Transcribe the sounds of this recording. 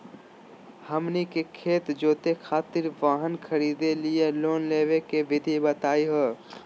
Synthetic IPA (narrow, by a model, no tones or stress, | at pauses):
hɐmnikekʰeːt̪d͡ʒoːt̪exʰaːt̪ɪɾʋaːɦənkʰəɾiːd̪elijeloːnleːʋekeʋɪd̪ʱibət̪aːiɦoː